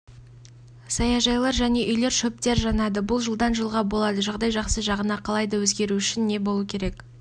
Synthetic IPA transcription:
sɑjɑʒɑjlˠɑɾʒæne̞ʔʏjle̞ɾʃɵp̚t̪e̞ɾʒɑnɑd̪əbʊlˠʒəlˠd̪ɑnʒəlˠʁɑbo̞lˠɑd̪əʒɑʁd̪ɑjʒɑqsəʒɑʁənɑqʰɑlˠɑjd̪ɑwɵzɡʲe̞ɾuʏʃɪnːe̞bo̞lˠuəkʲʰe̞ɾe̞k

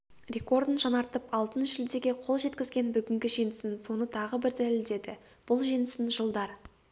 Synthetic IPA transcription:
rʲe̞ko̞rd̪ənʒɑnɑɾt̪əpɑlˠt̪ənʒɪld̪e̞ɡʲe̞qʰo̞lˠʒe̞t̪kʲɪzɡʲe̞nbʏɡʲɪŋɡʲɪʒijnɪsɪnso̞nət̪ʰɑʁəbɪɾd̪æleld̪e̞d̪ɪ | b̥ʊlˠʒijnɪsɪnʒəlˠd̪ɑɾ

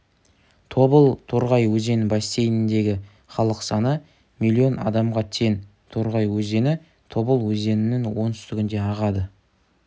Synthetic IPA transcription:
t̪ʰo̞bəlˠt̪ʰo̞ɾʁɑjwɵze̞nɪbɑst̪e̞jnɪnd̪e̞ɡʲɪ | χɑlˠəqsɑnə | milʲːio̞nɑ̰d̪ɑmʁɑt̪ʰe̞n | t̪ʰo̞ɾʁɑjwɵze̞nɪ | t̪ʰo̞bəlˠwɵze̞nɪnɪŋwo̞nt̪ʏst̪ʏɡʲɪnd̪e̞ɑʁɑd̪ə

